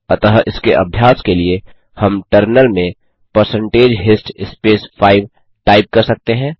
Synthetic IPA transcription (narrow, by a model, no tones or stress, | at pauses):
ət̪əɦʔɪskeʔɐ̰bʱjaːskelie | həmʈəɾnəlmẽ | pəɾsə̃ɳʈeːd͡ʒɦɪsʈɪspeːspʰaːɪʋ | ʈaːɪp̚kɐɾsɐk̚t̪eɦɛ̃ː